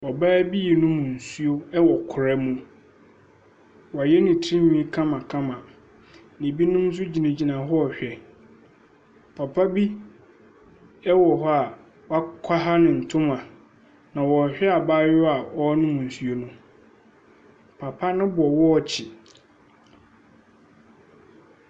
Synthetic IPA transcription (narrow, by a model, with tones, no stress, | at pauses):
ɔ˨baː˦bi˦jɛ˨nʊ̃˦mũ˨n̩˨su˦o˦ɛ˦wɔ˨kʰʊ˨ɾɛ˦mũ˦ | wa˨jɛ˦nɪ̃˨tʰĩ˦ɲĩ˨˦i˦kʰã˦mã˨kʰã˦mã˨ | nɪ̃˨bi˦nʊ̃˦m˦s̬ʊ˦d͡ʑi˨nĩ˨d͡ʑi˨nã˨ɦɔ˦ɔ˨ɕᶣɛ˨ | pʰa˨pʰa˦bi˦ | ɛ˦wɔ˨ɦɔ˦a˨ | wa˦kʰa˦ɦa˦nɪ̃˨n̩˨tʰʊ̃˦mã˨ | nã˨wɔ˨ɕᶣɛ˦a˨baː˦jɔ˦a˨ɔ˦nʊ̃˦mũ˨n̩˨su˨o˦nʊ̃˦ | pʰa˨pʰa˦nʊ̃˦bʊ˨ɔ˨wɔ˦ɔ˨t͡ɕʰɪ˨